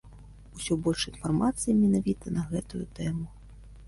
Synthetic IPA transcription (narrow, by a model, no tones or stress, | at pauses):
usʲɔbɔlʲʂinfarmat̪sɨjimʲɛnavʲit̪ɐnɐɣɛt̪ujut̪ɛmu